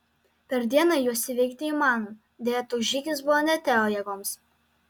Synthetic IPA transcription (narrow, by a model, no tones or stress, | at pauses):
pʲɛɾd̪ʲiɛnɑjuɔsʲɪʋʲɛɪk̚ʲt̪ʲɪiːmɑːn | d̪ʲeːjɛt̪ʊʒʲiːkʲɪs̬bʊʋoːnʲɛt̪ʲɛoːjɛɡoːms